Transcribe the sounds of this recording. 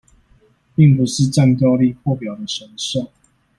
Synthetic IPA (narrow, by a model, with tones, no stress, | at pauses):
pi˥˨ŋp̬u˨˦ʂɻ̩˥˧ʈ͡ʂa˥˨ŋt̪jɑ˥˧ʊli˥˨xwɔ˥˨pjɑ˨˩ʊd̪ə˨˦ʂə˨˥nso˥˩ʊ